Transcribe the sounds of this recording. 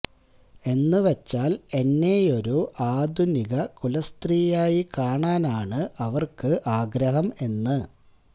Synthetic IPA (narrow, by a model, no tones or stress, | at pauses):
e̞nːɨʋet͡ɕːaːle̞nːe̞jo̞ɾuʔaːd̪ʱuniɣɐkulɐst̪riːjaːjikaːɳaːnaːɳɨʔɐʋɐrkɨʔaːɡɾɐɦɐme̞nːɨ